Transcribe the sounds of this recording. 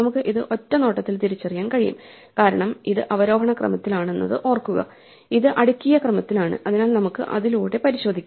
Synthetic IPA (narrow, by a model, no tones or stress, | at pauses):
nɐmukːɨʔiðɨʔo̞tːɐno̞ːʈːɐt̪ːilt̪iɾit͡ɕːɐrijaːnkɐɻijṵm | kaːɾɐɳɐmiðɨʔɐʋɐɾo̞ːɦɐɳɐkrɐ̰mɐt̪ːilaːɳe̞nːɐ̰ðɨʔo̞ːrkːuɣɐ̰ | iðɨʔɐɽukʲːijɐkrɐmɐt̪ːilaːɳɨ̰ʔɐðinaːlnɐmukːɨ̰ʔɐ̰ðiluːɽe̞pɐɾiɕo̞ːd̪ʱikʲː